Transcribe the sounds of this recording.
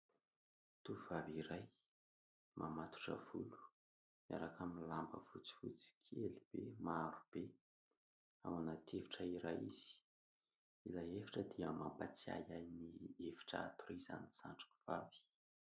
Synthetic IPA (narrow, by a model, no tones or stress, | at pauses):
t̪uvaviɾaj | mʔamat̪u̥ʈ͡ʂə̰vulu̥ | mia̰ɾakʰaminlambə̰vut͡si̥fut͡si̥kʰelib̥emaɾub̥e | a̰wanat̪ʰevi̥ʈ͡ʂəiɾajḭz̥i̥ | ilajefi̥ʈ͡ʂəd̪iəmampat͡sia̰jajnievi̥ʈ͡ʂa̰at̪uɾiza̰niz̥a̰ɳʈ͡ʂḁku̥v̥avi̥